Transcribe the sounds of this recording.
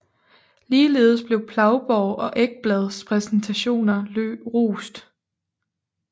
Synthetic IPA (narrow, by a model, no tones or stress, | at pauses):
liːle̝ːð̞̩ˠəsb̥le̝ʊpʰlɑ̈ʊb̥ɒʊʔɒ̽ʔeɡ̥̚b̥lɛð̞̩ˠspʰʁɛsn̩t͡sʰæɕo̝̰ːnɐlø̰b̥ʁṵːsd̥